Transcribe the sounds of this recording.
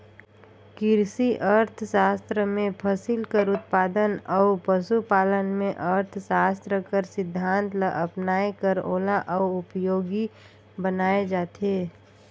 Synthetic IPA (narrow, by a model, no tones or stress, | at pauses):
kɪɾsiʔəɾt̪ʰsaːst̪ɾəmẽpʰəsɪlkəɾʊt̪̚paːd̪ənɔʊpəʃupaːlənmẽʔəɾt̪ʰsaːst̪ɾəkəɾsɪd̪ʱːãːnt̪ləʔəpnaːekəɾoːlaʔɔʊʊpjoːɡi | bənaːed͡ʒaːt̪eː